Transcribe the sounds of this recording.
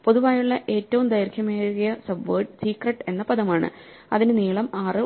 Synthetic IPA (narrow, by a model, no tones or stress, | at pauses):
po̞ðuʋaːjuɭːɐʔe̞ːtːɐʋumd̪ɐjɐɾkʰjɐmeːɻuɣɐjɐsɐbʋɐːɖsiːkrɐʈːe̞nːɐpɐðɐmaːɳɨ̰ | ɐ̰ðinɨniːɭɐmaːrɨ